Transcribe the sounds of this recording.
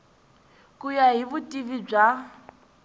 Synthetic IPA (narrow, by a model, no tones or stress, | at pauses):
kʼujaɦiβutʼivib͡ʐa